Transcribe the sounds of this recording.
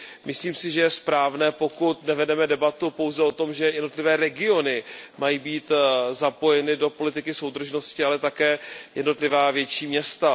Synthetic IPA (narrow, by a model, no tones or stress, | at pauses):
mʔɪsliːmsɪʒɛjɛspɾaːvnɛːpo̞kut̪nɛvɛdɛmɛdɛbat̪upo̞wzɛo̞t̪o̞mʒɛjɛdno̞t̪lɪvɛːɾɛɡɪo̞nɪmajiːbiːt̪zapo̞jɛnɪdo̞po̞lɪt̪ɪkɪso̞wd̪r̩ʒno̞scɪalɛt̪akɛːjɛdno̞t̪lɪvaːvjɛt͡ʃiːmɲɛst̪a